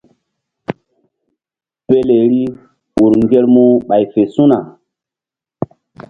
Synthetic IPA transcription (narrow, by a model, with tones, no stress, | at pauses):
pe˦le˨ɾi˦ | ɓu˨ɾŋɡe˦lmu˦ɓa˨jfe˨sũ˦na˨